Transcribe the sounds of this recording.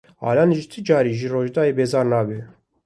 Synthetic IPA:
ɑ̰ːlɑnʒt̪ʰɨd͡ʒɑːɾiʒiroːʒd̪ɑːeːbeːzɑːɾnɑːbe

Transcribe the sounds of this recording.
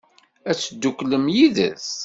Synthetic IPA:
æt͡sːd̪ːukːləmjiðə̰s

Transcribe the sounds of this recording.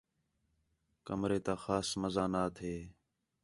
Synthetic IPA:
kəmɾeːt̪aːxaːsməzaːnaːt̪ʰeː

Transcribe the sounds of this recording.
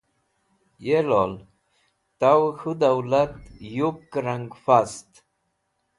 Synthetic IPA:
jelol | t̪awhud̪awlat̪jukːɾaŋɡfast̪

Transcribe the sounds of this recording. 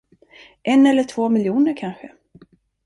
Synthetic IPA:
ʔɛnɛlːəʈʰv̥oːmɪljuːnəɾkʰanɧə

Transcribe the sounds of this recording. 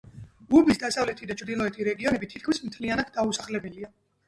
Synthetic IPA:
ɡubisd̪asavlɛt̪ʰid̪at͡ʃʰɾd̪ilˠɔɛt̪ʰiɾɛɡiɔnɛbit̪ʰit̪kʰmismt̪ʰlianat̪̚ʰd̪ausaχlɛbɛlia

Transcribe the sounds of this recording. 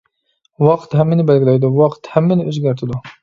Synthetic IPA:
wɑqt̪hɛmːɪnɪbælɡʲilæjd̪uwɑqt̪hæmːɪnɪøzɡʲæɾt̪ʰɪd̪ʊ

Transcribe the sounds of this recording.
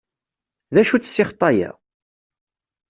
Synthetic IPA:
ðæʃut͡sːsːɪχt̪ˤɑjæ̰

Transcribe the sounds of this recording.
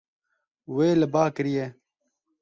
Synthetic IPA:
weːləbaːkəɾijeː

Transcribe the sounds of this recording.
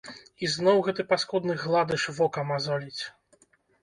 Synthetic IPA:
iznɔwɣɛt̪ɨpaskɔd̪nɨɣlˠad̪ɨʂvɔkɐmazɔlʲit͡sʲ

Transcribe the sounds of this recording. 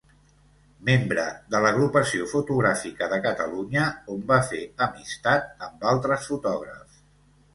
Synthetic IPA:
membɾəðələɣɾupəsiofut̪uɣɾafikəðəkət̪əluɲəombafeəmist̪at̪̚əmbalˠt̪ɾəsfut̪ɔɣ̞ɾə̰f

